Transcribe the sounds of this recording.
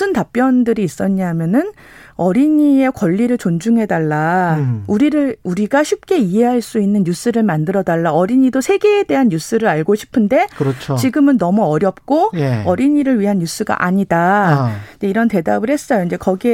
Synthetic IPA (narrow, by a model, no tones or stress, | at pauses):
ɯntap͈jʌndɯɾiːs͈ʌɲaɦmjʌnɯn | ʌɾiɲie̞kwʌʎːiɾɯɭt͡ɕond͡ʑuŋɦe̞daɭːauɾiɾɯɭuɾiɡaɕʰip̚k͈e̞iɦe̞ɦaɭs͈uinːɯnjus͈ɯɾɯɭmandɯɾʌdaɭːaʌɾiɲidosʰe̞ɡe̞ːde̞ɦanjus͈ɯɾɯɭaɭɡoɕʰi̥pʰɯnde̞kɯɾʌt͡ɕʰt͡ɕiɡɯmɯnːʌmuʌɾjʌp̚k͈ojeʌɾiɲiɾɯɭɥiɦanjus͈ʰɯɡa̰ʔaɲidaid͡ʑeiɾʌnte̞dabɯɭhe̞s͈ʌjoind͡ʑe̞kʌɡie